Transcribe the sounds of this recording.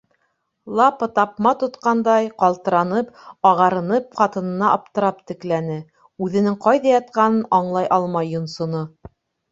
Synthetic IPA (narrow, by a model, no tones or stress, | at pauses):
lˠɑpɤt̪ɑpmɑt̪ŏt̪qɑnd̪ɑjqɑlˠt̪ɤ̆ɾɑnɤpɑʁɑɾɤ̆nɤp̚χɑt̪ɤ̆nɤ̆nɑʔɑp̚t̪ɤ̆ɾɑp̚t̪ɘ̆klænɘ | ʉðɘ̆nɘŋqɑjðɑjɑt̪̚qɑnɤnɑɴlˠɑjʔɑlˠmɑjːŏnsŏno